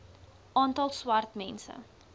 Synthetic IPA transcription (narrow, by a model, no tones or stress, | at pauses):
ʔɑːntɑlˠswɐrtmɛnsə̰